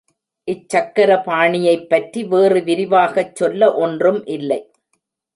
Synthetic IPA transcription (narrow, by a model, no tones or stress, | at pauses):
ʔɪt͡ʃːɐkːɐɾɐpaːɳɪjɐɪpːɐʈriʋeːrɯʋɪɾɪʋaːɣɐt͡ʃːɔlːɐʔɔndrɯmʔɪlːɐɪ